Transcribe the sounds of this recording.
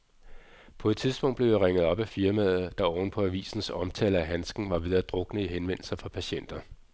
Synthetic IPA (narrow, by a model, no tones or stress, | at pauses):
pʰɒ̽ed̥t͡sʰiðˠsb̥ɔ̽ŋ̰d̥bleʊjiʁeŋəð̩ˠɒ̽b̥æfiɐmæð̩ˠd̥ɑ̈ɒʊn̩pʰɒ̽æʋḭːsn̩sɒ̽mt͡sʰɛ̰ːləæɦænsɡ̥n̩ʋɑ̈ʋið̞ˠɐd̥ʁɔ̽ɡ̥nəiɦenʋen̰l̩sɐfʁɑ̈pʰæɕen̰d̥ɐ